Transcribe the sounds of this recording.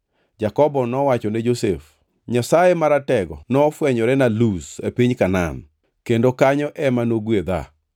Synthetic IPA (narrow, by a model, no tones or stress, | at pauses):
d͡ʒakɔbɔnɔwat͡ʃɔned͡ʒosef | ɲasajemaɾatɛɡɔnɔfwɛɲɔɾɛnalusepiɲkana̰n | kendokaɲɔʔɛmanoɡwed̪a̰